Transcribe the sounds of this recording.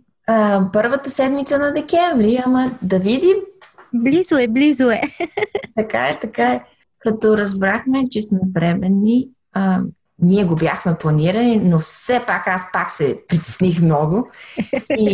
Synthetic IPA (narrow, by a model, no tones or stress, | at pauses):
əpɤɾvət̪əsɛd̪mit̪sənɐd̪ɛkʲɛɱvɾiɐmɐd̪ɐvid̪imblizʊɛblizoɛt̪ɐkaɛt̪ɐkaɛ | kɐt̪ɔɾɐzbɾaxmɛt͡ʃɛsmɛbɾɛmɛnːi | ə | niɛɡobjaxmɛplˠɐniɾɐninofsɛpakaspaksɛpɾit̪ɛ̥snixmnɔɡo | i